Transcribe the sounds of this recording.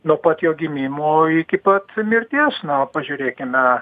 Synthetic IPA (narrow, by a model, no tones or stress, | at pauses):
nopɐt̪joːɡʲɪmʲiːmuːɪkʲɪpɐt̪mʲɪrʲt̪ʲiɛsnopɐʒʲʊːɾʲeːkʲɪmʲɛ